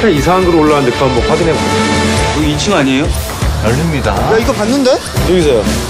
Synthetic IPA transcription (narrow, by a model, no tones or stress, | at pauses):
tʰeisʰaaŋɡɯɾooɭːaɦandɯk͈ʰanmwʌɸwaɡinɦebatkoit͡ɕʰɯŋaɲejo | jʌɭːimɲidajaiɡʌpanːɯnde̞ | joɡis̬ʰʌjo